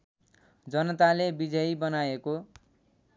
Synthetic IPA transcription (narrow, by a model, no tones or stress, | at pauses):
d͡zʌnʌt̪alebid͡zʌjbʌnaeko